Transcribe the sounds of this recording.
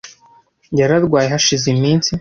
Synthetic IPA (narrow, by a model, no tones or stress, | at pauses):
jaɾaɾɡwaːjeɦhaʃizimiːnsi